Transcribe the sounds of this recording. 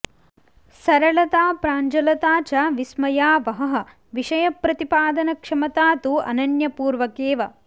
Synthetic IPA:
sɐɾɐɭɐt̪aːpɾaːɲd͡ʒɐlɐt̪aːt͡ʃɐʋismɐjaːʋɐɦɐɦɐ̆ | ʋiʂɐjɐpɾɐt̪ipaːd̪ɐnɐkʂɐmɐt̪aːt̪uɐ̰nɐnjɐpuːɾʋɐkeːʋɐ

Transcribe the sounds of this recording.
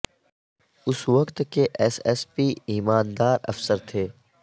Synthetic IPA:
ʊsʋɐkt̪keʔɛsɛːspiːiːmaːnd̪aːɾɐ̰fsəɾt̪ʰeː

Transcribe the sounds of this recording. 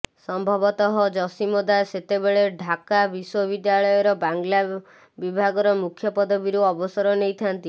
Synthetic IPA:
sɔmbʱɔbɔt̪ɔɦɔd͡ʒɔsimod̪aset̪ebeɭeɖʱakabiswobid̪jaɭɔjɔɾɔbaŋɡla | bibʱaɡɔɾɔmukʰjɔpɔd̪ʱɔbiɾuɔbɔsɔɾɔnejt̪ʰant̪i

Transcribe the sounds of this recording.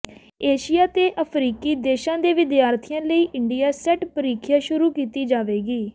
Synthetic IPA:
eːʃɪjaːt̪eːʔəpʰɾiːkiːd̪eːʃãːd̪eːʋɪd̪jaːɾt̪ʰɪjãːləiːʔɪɳɖijaːsɛʈpəɾiːkʰjaːʃʊɾuːkiːt̪iːd͡ʒaːʋeːɡiː

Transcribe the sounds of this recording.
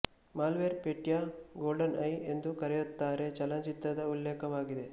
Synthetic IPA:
maːlʋeɾpeʈjaːɡoːlɖɐnɐje̞nd̪ukɐɾɛjut̪ːaːɾe̞t͡ʃɐlɐt͡ʃit̪ɾɐd̪ɐulːɛːkɐʋaːɡid̪e̞

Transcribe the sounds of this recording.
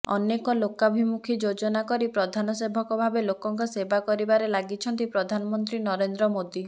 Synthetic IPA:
ɔ̰nekɔlokabʱimukʰid͡ʒod͡ʒɔnakɔɾipɾɔd̪ʱanɔsebʱɔkɔbʱabelokɔŋkɔsebakɔɾibaɾelaɡit͡ʃʰɔnt̪ipɾɔd̪ʱanɔmɔnt̪ɾinɔɾend̪ɾɔmod̪i

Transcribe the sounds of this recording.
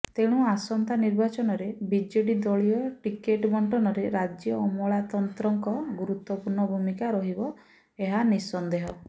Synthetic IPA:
t̪eɽ̃uasɔnt̪aniɾbat͡ʃɔnɔɾebid͡ʒeʈid̪ɔɭiɔʈikeʈbʱɔɳʈɔnɔɾeɾad͡ʒjɔːmɔɭat̪ɔnt̪ɾɔŋkɔɡuɾut̪wɔpuɾɳɔbʱumikaɾɔɦibɔ | eɦanisɔnd̪eɦɔ

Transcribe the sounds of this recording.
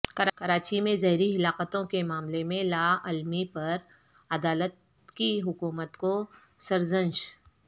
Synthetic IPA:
kɐɾkɐɾaːt͡ʃimẽzɐɦɾiɦɪlaːqət̪õkemaːmlemẽlaːɐlmipɐɾ | ɐd̪aːlət̪̚ | kiɦʊkuːmət̪ko | sɐɾzə̃nʃ

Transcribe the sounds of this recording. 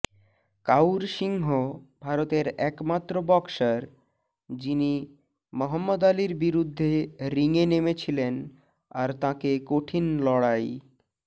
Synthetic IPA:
kawɾʃiŋɦobʱaɾot̪eɾɛkmat̪ːɾobɔkʃaɾ | d͡ʑini | mɔɦəmːod̪aliɾbiɾud̪ʱːeɾiŋenemet͡ɕʰilen | aɾt̪ãkekoʈʰinlɔɽaj

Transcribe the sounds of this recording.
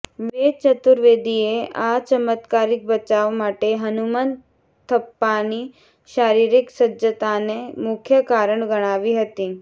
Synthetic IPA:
ʋet͡ʃət̪uɾʋeːd̪ieʔat͡ʃəmət̪kaːɾɪk̚bət͡ʃaʋmaːʈeɦɐnuman | t̪ʰəpːani | ʃaːɾiːɾɪksəd͡ʒət̪anemʊkʰjəkaːɾəɳɡɐɽ̃aːʋiɦət̪iː

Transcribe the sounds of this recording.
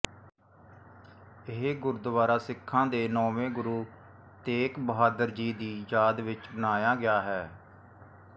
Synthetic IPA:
ɪɦɡʊɾd̪əʋaːɾaːsɪkʰːãːd̪eːnɔːʋẽːɡʊɾuː | t̪eːkbəɦaːd̪əɾd͡ʒiːd̪iːjaːd̪ʋɪt͡ʃbənaːjaːɡɪjaːɦɛː

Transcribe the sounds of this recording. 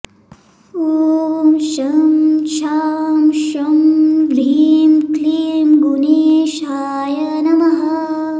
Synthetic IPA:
uːmʃɐmt͡ʃʰaːmʃɐmlʱiːmkliːmɡuniʃaː | jɐ | nɐmɐɦɐ

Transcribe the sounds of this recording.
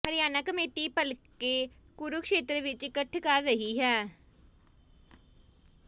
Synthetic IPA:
pəɾɪjaːnakəmeːʈiːpəlkeː | kʊɾʊkʃeːt̪ɾəʋɪt͡ʃɪkəʈʰkəɾːəɦiːɦɛː

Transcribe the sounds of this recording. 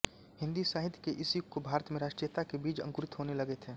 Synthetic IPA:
ɦɪ̃nd̪isaɦɪt̪ʰjkeʔɪsikobʱaːɾət̪mẽɾaːʃʈɾijət̪akebiːt͡ʃɐ̰̃ŋkʊɾɪt̪ɦoːnelɐɡet̪ʰeː

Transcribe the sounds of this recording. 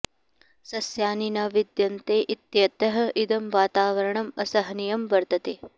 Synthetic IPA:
sɐsjaːninɐʋid̪jɐnt̪eːʔit̪jɐt̪ɐɦɐ̆ʔid̪ɐmʋaːt̪aːʋɐɾɐɳɐmɐsɐɦɐnijɐmʋɐɾt̪ɐt̪e

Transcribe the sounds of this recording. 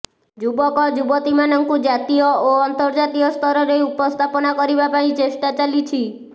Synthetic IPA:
d͡ʒubɔkɔd͡ʒubɔt̪imanɔŋkud͡ʒat̪ijɔoɔnt̪ɔɾd͡ʒat̪iɔst̪ʰɔɾɔɾejupɔst̪ʰapɔnakɔɾibapaĩt͡ʃesʈat͡ʃalit͡ʃʰi

